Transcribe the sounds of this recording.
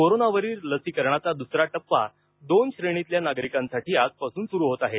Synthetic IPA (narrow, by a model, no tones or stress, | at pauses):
koɾonaʋəɾiːɾləsiːkəɾɳat͡sad̪usɾaʈəpːa̰ | d̪onɕɾeɽ̃it̪ljanaɡɾikãnsaʈiːad͡zpasuːnsuɾuːɦot̪aɦe